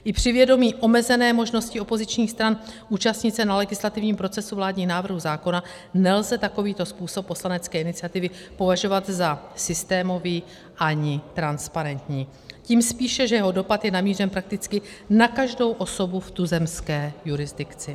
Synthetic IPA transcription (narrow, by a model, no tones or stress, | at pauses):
ʔɪpr̝̥ɪvjɛdo̞miːʔo̞mɛzɛnɛːmo̞ʒno̞scɪo̞po̞zɪt͡ʃɲiːxst̪ɾanʔuːt͡ʃast̪ɲɪt̪t͡sɛnalɛɡɪslat̪ɪvɲiːmpɾo̞t͡sɛsuvlaːdɲiːxnaːvr̩ɦuzaːko̞na | nɛlzɛt̪ako̞viːt̪o̞spuːsopːo̞slanɛt͡skɛːʔɪnɪt͡sɪjat̪ɪvɪpo̞vaʒo̞vat̪zasɪst̪ɛːmo̞viː | ʔaɲɪt̪ɾanspaɾɛnt̪ɲiː | ciːmspiːʃɛʒɛjɛɦo̞do̞pat̪jɛnamiːrɛmpɾak̚t̪ɪt͡skɪnakaʒdo̞wʔo̞so̞buft̪uzɛmskɛːjuɾɪzdɪkt͡sɪ